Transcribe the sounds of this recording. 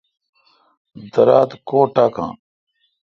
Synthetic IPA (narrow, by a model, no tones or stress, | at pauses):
d̪ɐɾaːt̪koːʈaːkã̰ː